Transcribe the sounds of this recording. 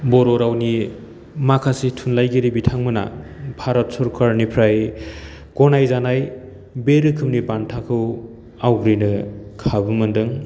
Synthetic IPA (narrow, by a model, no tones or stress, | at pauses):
bɔɾɔɾawni | makʰasitʰunlajɡiɾibitʰaŋmɯna̰bʱaɾɔt̚sɔɾkʰaɾnipʰɾaj | kɔnajzanaj | beɾɯkʰɯmnibantʰakʰɯw | awɡɾinɯkʰabɯmɯndɯŋ